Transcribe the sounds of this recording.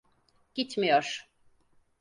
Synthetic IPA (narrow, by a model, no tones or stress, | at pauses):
ɟ̥it̪mijoɾ̥